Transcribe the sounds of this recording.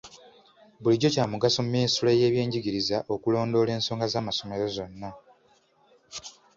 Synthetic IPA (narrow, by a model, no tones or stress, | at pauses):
buliɟocaːmuɡasomumːinisuleje̞ːβje̞ːɲɟiɡiɾizaʔo̞kulo̞ːndo̞le̞ːnso̞ːŋɡazaːmaso̞me̞ɾo̞zo̞nːa